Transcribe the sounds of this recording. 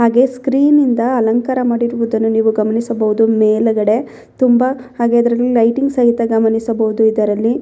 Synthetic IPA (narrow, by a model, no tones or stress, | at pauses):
ɦaːɡe̞skɾiːnind̪ɐːlɐŋkɐɾɐmaːɽiɾuʋud̪ɐnːuniːʋuɡɐmɐnisɐbɐʋud̪umeːlɐɡɐɽe̞ | t̪umbɐhaːɡe̞ɐd̪ɐɾɐlːilɐjʈiŋɡsɐɦit̪ɐɡɐmɐnisɐbɐud̪uid̪ɐɾɐlːi